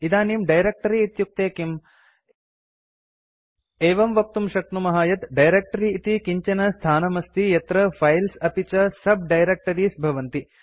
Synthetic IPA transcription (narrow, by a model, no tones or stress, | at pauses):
id̪aːnimɖɐjɾek̚ʈɐɾiːt̪juk̚t̪eːkim | eːʋɐmʋɐk̚t̪umʃɐk̚t̪numɐɦaːjɐt̪ɖɐjɾeːk̚ʈɐɾiːt̪ikiɲt͡ʃɐnɐst̪ʰaːnɐmɐst̪ijɐt̪ɾɐfʰɐjlsɐpit͡ʃɐsɐb̚ɖɐjɾek̚ʈɐɾiːsbʱɐʋɐnt̪i